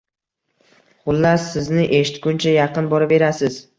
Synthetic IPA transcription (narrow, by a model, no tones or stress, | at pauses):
χʊlˠːaɾsɪznɪʔeʃɪt̪kʲʊnt͡ʃʰajɑqɨnbɒɾabe̞ɾasɪz